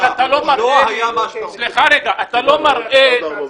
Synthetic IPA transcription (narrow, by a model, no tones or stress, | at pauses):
at̪alomaɾʔe | sleχaɾeɡaʔat̪alomaɾʔe